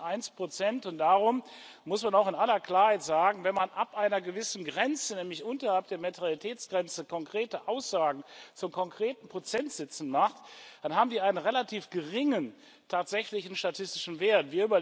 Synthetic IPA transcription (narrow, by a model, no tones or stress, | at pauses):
ʔaɪnspʁ̥ot͡sɛntʊnt̚d̥aːʁʊm | mʊsmanaʊxɪnʔalɐkl̥aːɐhaɪtz̥aːɡŋ̩vɛnmanʔapʔaɪnɐɡəvɪsn̩ɡʁɛnt͡sənɛːmlɪçʔʊntɐhalp̚d̥eːɐmatʁalitʰɛːt͡sɡ̥ʁɛnt͡səkʰɔŋkʁ̥eːtəʔaʊsz̥aːɡŋ̩t͡sʊmkʰɔŋkʁ̥eːtn̩pʁ̥ot͡sɛntz̥ɛt͡sn̩maχtd̥anhaːbm̩diːʔaɪnənʁelatʰiːfɡ̥əʁɪŋən | tʰaːtz̥ɛçlɪçn̩ʃtatʰɪstɪʃn̩veːɐtv̥iːɐyːbɐ